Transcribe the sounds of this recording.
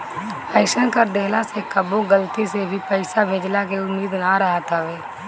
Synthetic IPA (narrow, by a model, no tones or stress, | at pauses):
ɛːɪʃənkəɾd̪eːlasekəboɡəlt̪isebʱipəɪsabʱeːd͡ʒlakeʊmːiːd̪naɾəɦat̪aʋeː